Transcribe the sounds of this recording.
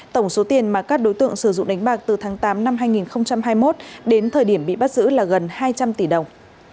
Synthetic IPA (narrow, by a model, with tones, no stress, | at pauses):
t̪ə˧˩wŋ͡mso˨˦t̪i˨˩ənmaː˨˩kaː˦˥k̚ɗo˨˦jt̪ɨ̰˧˨əŋsɨ˧˩zʊ̰˧˨ŋ͡mɗa˨˦ŋ̟ɓaː˨˩k̚t̪ɨ˨˩t̪ʰaː˨˦ŋt̪aː˨˦mna˧mɦaː˧jŋi˨˩nxə˧wŋ͡mt͡ɕa˧mɦaː˧jmo˦˥t̚ɗe˨˦nt̪ʰəː˨˩jɗi˧˩əmɓḭ˧˨ɓa˦˥t̚zɨ̰˧˥laː˨˩ɣə˨˩nhaː˧jt͡ɕa˧mt̪i˧˩ɗə˨˩wŋ͡m